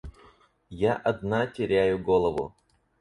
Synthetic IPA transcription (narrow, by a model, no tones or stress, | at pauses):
jaʔɐd̪natʲɪɾʲæjʊɡolˠəvʊ̰